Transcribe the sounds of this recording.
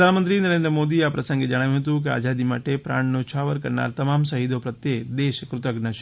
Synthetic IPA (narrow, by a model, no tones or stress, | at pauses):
d̪ʱanmənt̪ɾinəɾẽnd̪ɾəmod̪iapɾəsə̃ŋɡed͡ʒəɽ̃aʋjũɦət̪ũk̬ea̰d͡ʒad̪ima̰ʈepɾa̰ɳnot͡ʃʰaʋəɾkəɾna̰ɾt̪əmamsəɦid̪opɾət̪jed̪eʃkɾʊt̪əɡnəʃ